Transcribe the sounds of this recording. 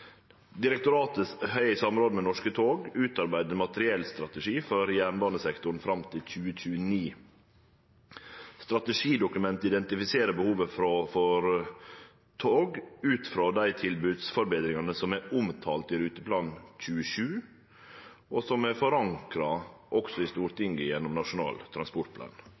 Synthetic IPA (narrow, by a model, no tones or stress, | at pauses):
d̪ɪɾɛk̚t̪ʊɾɑːt̪əshœʏɪsɑmɾoːd̪əmɛnɔʂkət̪ʰoːɡʉːt̪ɑɾbæɪd̪əɾmɑt̪əɾɪɛlst̪ɾɑt̪əʂiːfɔɾjæːɳbɑːnəsɛkt̪ʊɳ̩fɾɑmt̪ʰɪlc͡çʉːəc͡çʉːəniː | st̪ɾɑt̪əʂiːd̪ʊkʉmɛnt̪ɪd̪ɛnt̪ɪfɪseːɾəbəhuːʋəfɾofɔɾ | t̪ʰoːɡʉːt̪fɾɑːd̪æɪt̪ʰɪlbʉːd̪sfɔɾbeːd̪ɾɪŋɑnəsɔmæʊmt̪ʰɑːlt̪ɪɾʉːt̪əpʰlɑːnc͡çʉːəʃʉː | ʔɔsɔmæfɔɾɑŋkɾɑʔɔksɔɪst̪uːɾt̪ɪŋɡəjɛnːɔmnɑʂʊnɑ̰ːlt̪ʰɾɑnspɔʈ̚pʰlɑ̰ːn